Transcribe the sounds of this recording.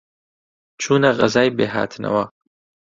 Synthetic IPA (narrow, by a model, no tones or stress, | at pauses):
t͡ʃʰuːnaɣɐzaːjbeːɦa̰ːt̪ʰnɐ̰waː